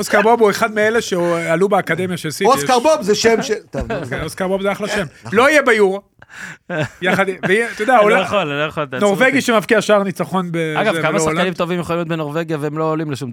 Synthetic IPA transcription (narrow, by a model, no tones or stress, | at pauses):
oskaʁbobue̞χad̪meeleʃealubeakade̞mjaʃesioskaʁbobzeʃemʃet̪okeoskaʁbobzeaχlaʃe̞mlo̞ijebajuʁa | jaχad̪vet̪ojod̪eaolχolloχolno̞ʁveɡiʃemavkiaʃaʁnit͡saχo̞nbeaɡakaasoaʁlaanimtt̪ovimjeχolimjot̪benoʁveɡjaveemloolimleʃum